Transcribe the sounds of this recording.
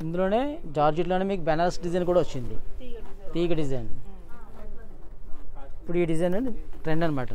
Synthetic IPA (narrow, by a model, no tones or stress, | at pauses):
ind̪ulo̞ːne̞ːd͡ʒaːɾd͡ʒiʈloːneːmiːkubɛnalɐsʈ̚ɖizɐjnkuːɽaːʋot͡ʃːind̪ḭt̪iːɡɐɖizɐjn | ipːuɽuiːɖid͡ʒɐjnunʈɾeɳɖɐnimaːʈɐ